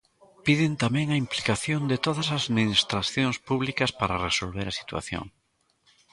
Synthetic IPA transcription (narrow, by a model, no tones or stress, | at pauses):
piðɪnt̪amɛ̃ŋɐimplikaθjond̪ɪt̪oðɐsasðminist̪ɾaθjõŋspuβlikɐspaɾaresolβeɾɐsi̥t̪wa̰θjo̰ŋ